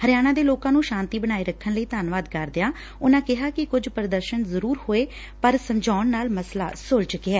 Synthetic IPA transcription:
həɾjaːɽ̃ãːd̪eːloːkãːnũːʃãːnt̪iːbəɽ̃aːiːɾəkʰːənləiːt̪aːnʋaːd̪kəɾd̪ɪjaː | ʊnãːkɪɦaːkɪkʊd͡ʒpɾəd̪əɾʃənzəɾuːɾhoːeː | pəɾsəmd͡ʒaːɳnaːlməsla̰ːsʊlt͡ʃʊkːeɛː

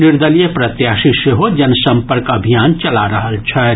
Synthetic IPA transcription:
niɾd̪əljepɾət̪jaʃiʃjeɦod͡ʒɐnsə̃mpəɾkəbʱijaːnt͡ʃɐlaɾəɦəlt͡ʃʰɛ

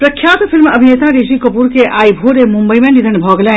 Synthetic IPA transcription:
pɾɐkʰjaːt̪fɪlmɐbʱineːt̪aɾeʃikɐpuɾkeʔaːibʱoːɾemʊ̃mbəimẽnid̪ʱənbʱɔːɡlɛ̃ː

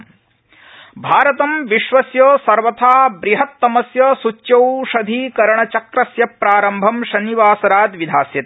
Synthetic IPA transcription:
bʱaːɾɐt̪ɐmʋiʃʋɐsjoːsɐɾʋɐt̪ʰaːbɾiɦɐt̪ːɐmɐsjɐsut͡ʃːjɐwʃɐd̪ʱiːkɐɾɐɳɐt͡ʃɐkɾɐsjɐpɾaːɾɐmbʱɐmʃɐniʋaːsɐɾaːd̪ʋid̪ʱaːsjɐt̪

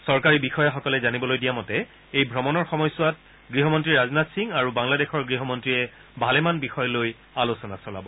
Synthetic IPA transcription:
sɔɹkaɹibixɔjaxɔkɔlɛzanibɔlojdijamɔtɛ | ejbʱɹɔmɔnɔɹxɔmɔjsʊwat̚ | ɡɹiɦɔmɔntɹiɹaznatsiŋaɹubaŋladɛxɔɹɡɹiɦɔmɔntɹijɛ | bʱalɛmanbixɔjɔloj | alosɔnasɔla̰bɔ

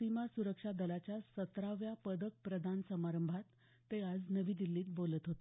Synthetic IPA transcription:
imasuɾəkʂad̪əlat͡ɕjasət̪ɾaʋjapəd̪ək̚pɾəd̪ʱansəmaɾəmbʱat̪ː | ead͡znəʋiːd̪ilːiːt̪̚bolət̪ɦot̪

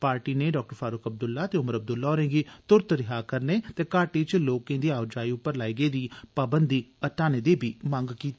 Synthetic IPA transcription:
paːɾʈiːneːɖɔːk̚ʈəɾfʰaːɾʊkəb̚d̪ʊlːaːt̪eːʊməɾəb̚d̪ʊlːaːoːɾẽːɡiːt̪ʊɾt̪ɾɪɦaːkəɾneːt̪eːkaːʈiːt͡ʃloːkẽːd̪iːaːʊd͡ʒaːiːʊpːəɾlaːiːɡeːd̪iːpaːbənd̪iːəʈaːneːd̪eːbʱiːmãŋɡkiːt̪ː

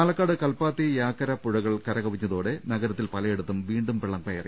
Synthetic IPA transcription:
aːlɐkːaːɽɨkɐlpaːt̪ːijaːkːɐɾɐpuɻɐɣɐɭkɐɾɐɣɐʋiɲːɐðoːɽenɐɣɐɾɐt̪ːilpɐlɐjeɽut̪ːumʋiːɳɖumpeɭːɐmkɐjɐrḭ

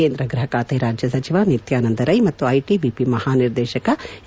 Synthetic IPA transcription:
eːnd̪ɾɐɡɾɐɦɐkaːt̪ɐːɾaːd͡ʒjɐsɐt͡ʃiʋanit̪jaːnɐnd̪ɐɾɐjmɐt̪ːuɐjʈibipimɐhaːniɾd̪ɛːʃɐkɐ

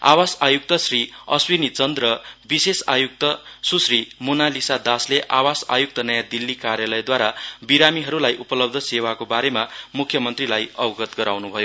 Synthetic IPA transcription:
a̰wasajuk̚t̪ʌsriʌ̰swinit͡sʌnd̪rʌbisesa̰juk̚t̪ʌsusrimonalisad̪asleʔawasa̰juk̚t̪ʌnʌjad̪ilːikaɾjalʌjd̪waɾabiɾamiɦʌɾulajʔupʌlʌb̚d̪ʱʌsewakobaɾemamukʰjʌmʌnt̪rilajʌbʌɡʌt̪ɡʌɾawnubʱʌjo

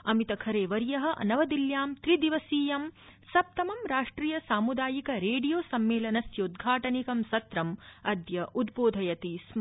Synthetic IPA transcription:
ɐmit̪ɐkʰɐɾeːʋɐɾjɐɦɐ̆ʔɐ̰nɐʋɐd̪iljaːmt̪ɾid̪iʋɐsiːjɐmsɐp̚t̪ɐmɐmɾaːʂʈɾiːjɐsaːmud̪aːjikɐɾeːɖijoːsɐmːeːlɐnɐsjɐud̪ɡʱaːʈɐnikɐmsɐt̪ɾɐmɐd̪jɐʔud̪boːd̪ʱɐjɐt̪iːs

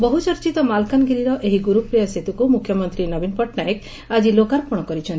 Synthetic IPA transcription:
bɔɦut͡ʃɔɾt͡ʃit̪ɔmalkanɡiɾiɾɔʔeɦiɡuɾupɾijaset̪ukumukʰjɔmɔnt̪ɾinɔbinpɔʈnaek | ad͡ʒilokaɾpuɽ̃ɔkɔɾit͡ʃʰɔnt̪

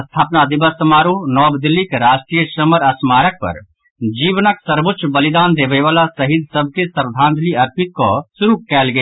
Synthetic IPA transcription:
əst̪ʰaːpnad̪ɪbəsːəmaːɾunɔːbd̪ɪlikɾaːʃʈɾijəʃəməɾəsmaːɾək̚pɐ̰ɾ | d͡ʒiːʋnəksəɾbʊt̪ːʃʰbəlid̪aːnd̪eːʋeʋaːlasəɦid̪ʱsəb̚ʱkesəɾd̪ʱãːnd̪liɐɾpɪt̪̚kosʊɾukɛːlɡe

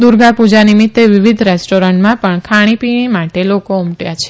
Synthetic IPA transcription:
d̪uɾɡapud͡ʒanimɪt̪ːeʋiʋid̪ʱɾesʈoɾəɳʈmãpəɳkʰaɽ̃ipiɽ̃imaʈelokoumʈjat͡ʃʰe̥

